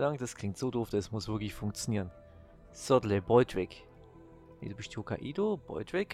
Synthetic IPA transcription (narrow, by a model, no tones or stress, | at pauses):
laŋd̥askʰl̥ɪŋtz̥oːdoːfd̥ɛsmʊsv̥ɪɐklɪçfʊŋk̚t͡sjoniːʁən | z̥ɔdləbɔʏdʁɪk | nḭdubɪʃtokʰa̰ʔiːdob̥ɔ̰ʏdʁɪk